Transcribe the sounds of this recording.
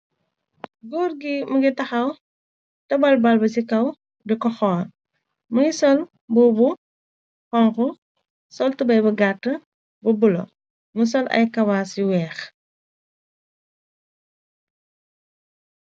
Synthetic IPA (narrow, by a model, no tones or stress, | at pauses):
ɡɔːrɡimɐɡitɐxɐw | tɐbɐlbɐlbɐsikɐw | dɛkɔxɔː | mɐŋisɔl | bɔbu | xɔŋku | sɔltubɐjbɐɡatːə | bɐbulɐ̰ | mus̬ɔlɐ̰jkɐwaːsiwɛːx